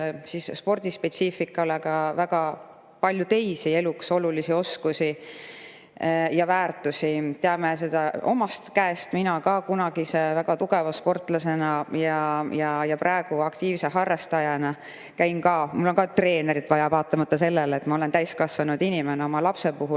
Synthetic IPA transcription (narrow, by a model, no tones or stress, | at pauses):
sisspo̞rd̪̥ispe̞t̪siːfikːˑɑlekɑvæɡ̥ɑ | pɑlʲjut̪e̞jsie̞lukso̞lulisio̞skusi | jɑvæːrt̪ˑusit̪eɑmes̬e̞d̪̥ɑo̞mɑst̪kæest̪minɑkɑkunɑɡ̥isevæɡ̥ɑt̪uɡ̥e̞vɑspo̞rt̪ˑlɑse̞nɑjɑjɑjɑpɾʔɑe̞ɡ̥uɑkt̪iːvseɦɑrːɑst̪ɑjɑnɑ | kæjnkɑːmulːo̞ŋkɑt̪re̞ːne̞ɾit̪ːˑvɑjɑvɑːt̪ːˑɑmɑt̪ːɑse̞lːeleːt̪ːˑmɑo̞le̞nt̪æjskɑsvɑnud̪̥inimeneo̞mɑlɑpse̞puɦul